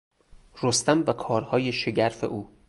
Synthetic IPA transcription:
rost̪æmvækʰɒːɾhɒːje̞ʃe̞ɟæɾfḛʔuː

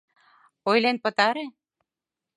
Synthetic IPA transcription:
ojlenpə̆t̪ɑɾe

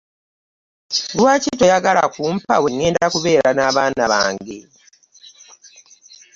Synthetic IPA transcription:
lwaːcito̞jaɡala̰kuːmpa̰we̞ŋːe̞ːndakuβe̞ːɾanaːβaːnaβa̰ːŋɡḛ

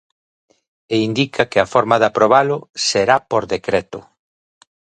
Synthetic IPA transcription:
eind̪ikʰɐkɪɐfɔɾmɐðapɾoβalʊseɾapoɾðekɾet̪ʊ

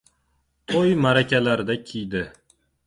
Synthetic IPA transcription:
t̪ʰojmaɾakʲʰalaɾɪd̪akʲʰijd̪ɪ

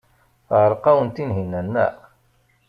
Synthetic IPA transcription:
θʁəɾˤqɑwənt̪inɦinːænːæ̰

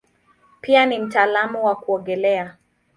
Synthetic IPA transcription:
pianim̩taːlamuwakuɔɡɛlɛa

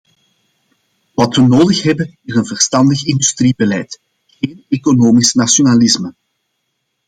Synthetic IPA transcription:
ʋɑtʋənoːdəxɦɛbənɪzənvərstɑndəxɪndystribəlɛjt | ɣeːnekonoːmisnasjonalɪsmə

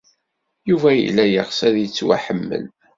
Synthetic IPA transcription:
juvæjḭlːæjəʁsæðjət͡sːwæ̰ħəmːə̰l

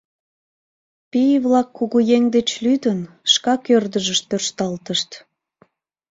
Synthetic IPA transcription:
pijβlɑkʰːuɣujeŋd̪et͡ɕlyd̪ən | ʃkɑkørd̪əʒəʃt̪ørʃt̪ɑlt̪əʃt̪

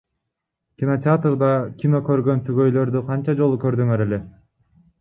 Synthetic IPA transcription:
kʲino̞tʲɪat̪rd̪ɑkʲino̞kø̞ɾɡø̞nt̪ʰyɡø̞jlø̞ɾd̪yqʰɑnt͡ʃɑd͡ʒo̞lˠukø̞ɾd̪yŋøɾe̞le̞

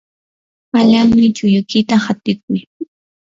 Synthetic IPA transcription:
aʎaŋmɪt͡ʃʊjʊkɪt̪ahat̪ɪk̚ʊj

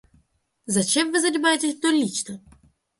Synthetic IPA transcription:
zɐt͡ʃɛmvɨzɐdʲɪmajetʲesʲt̪ɔlʲit͡ʃnɐ

